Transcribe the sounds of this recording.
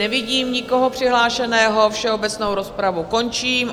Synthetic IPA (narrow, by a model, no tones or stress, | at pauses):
ɛvɪɟiːmɲɪko̞ɦopr̝̥ɪɦlaːʃɛnɛːɦo̞fʃɛo̞bɛt͡sno̞wɾospɾavuko̞nt͡ʃiːm